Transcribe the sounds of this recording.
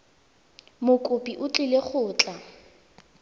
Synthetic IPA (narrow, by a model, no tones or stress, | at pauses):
mʊkʼʊpʼiʔʊt͡ɬʼɪleχʊːt͡ɬʼa